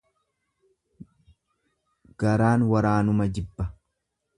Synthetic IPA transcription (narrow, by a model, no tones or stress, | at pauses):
ɡ̥ɐɾaːnwɐɾaːnʊmɐd͡ʒɪbːɐ